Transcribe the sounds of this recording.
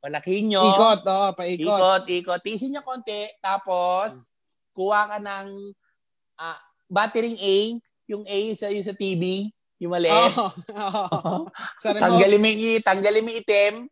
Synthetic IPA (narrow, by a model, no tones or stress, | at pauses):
pɐlɐkiɲokkot̪̚oʔpɐiːiokot̪̚ʔiːkot̪̚ːis̬ɪɲokoːnt̪ɛt̪aːpos | kuwakɐnɐŋ | ʔa | baːt̪ɛɾɪŋʔɛj | jʊŋʔɛjsɐjʊsɐt̪iːbi | jʊŋmɐlɛʔɛo | t̪ɐŋɡɐlɪmɪt̪ɐŋɡɐlɪmɪɪt̪ɛm